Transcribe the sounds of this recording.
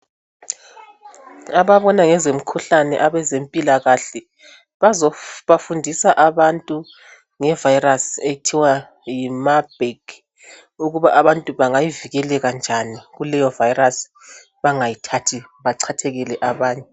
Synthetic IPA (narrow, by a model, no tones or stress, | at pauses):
aβaβɔnaŋɛzem̩kʰuɬanɛ̰ʔaβɛzempʼilaɣaɬɛ | azβafundʱisaʔaβantʼu | ŋɛvajirasetʰiwa | jimab̥ʱek | uɣuβaʔaβantʼuβaŋajiviɣɛlɛɣand͡ʒʱaniɣulɛjɔvajiras | βaŋajitʰatʰiβaǀʰatʰɛɣilɛʔaβaːɲɛ